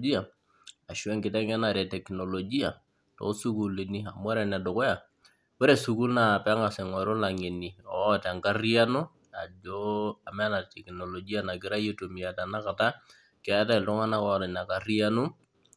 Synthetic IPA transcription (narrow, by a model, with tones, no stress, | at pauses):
d͡ʒi˦a˨ | a˨ʃwɛ˦ŋkɪ˨tɛ˦ŋa˦na˨ɾɛ˨tɛ˨kno˨lo˨d͡ʒi˦a˨ | tɔ̰˨˦su˦ku˨li˨ni˦a˨mwa˦ɾɛ˨na˨do˨kɔ˦ja˨ | wɛ˦ɾe˦˨su˨ku˦lna˨pa˦ŋa˨sɛ˨ŋɔ˨ɾo˦la˨ŋe˨ni˨ɔ˨ta˨ŋka˦ri˦a˦nu˦ | a˨d͡ʒo˦a˨mɛ˦na˨tɛ˨kno˨lo˨d͡ʒi˦ja˦na˨ɡɪ˦ɾa˦je˦to˨mi˨a˨ta˨na˦ka˨ta˦ | kɪ˦a˨˦ta˦ɪ˨ltʊ˦ŋa˦na˦kɔ˦˨tɛ˨na˨ka˨ri˦a˦nu˦